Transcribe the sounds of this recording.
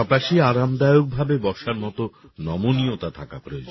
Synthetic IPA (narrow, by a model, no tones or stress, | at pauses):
ɔpaʃiaɾamd̪ajok̚bʱabebɔʃaɾmɔt̪onɔmoniot̪at̪ʰaka̰pɾojo̰d͡ʑo